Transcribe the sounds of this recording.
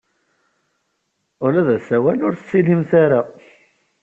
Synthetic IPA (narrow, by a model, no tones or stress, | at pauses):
ʊlæðæsæwælʊɾθsːilimθaɾa